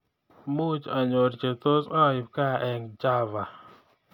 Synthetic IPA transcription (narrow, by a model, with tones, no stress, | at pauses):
mu˦t͡ʃa˨ɲo˨ɾt͡ʃe˨t̪o˦sɔ˦ɪ˨p̚ka˦˨ʔɛ˨ŋd͡ʒa˦va˨